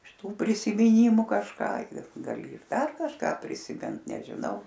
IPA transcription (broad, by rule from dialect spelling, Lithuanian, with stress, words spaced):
ɪʃ ˈtuː pʲrʲɪsʲɪmʲɪˈnʲiːmʊ kɐʃˈkɑː ɪr ɡɐˈlʲɪ ɪr ˈdɐr kɐʃˈkɑː pʲrʲɪsʲɪˈmʲɪnt nʲɛʒʲɪˈnɐʊ